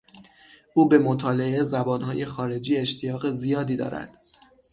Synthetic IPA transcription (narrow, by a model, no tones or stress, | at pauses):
ʔuːbe̞mot̪ʰɒːle̞ʔe̞zæbɒːnhɒːje̞xɒːɾe̞d͡ʒiːe̞ʃt̪ʰijɒːɣezijɒːd̪iːd̪ɒ̰ːɾæ̰d̪̥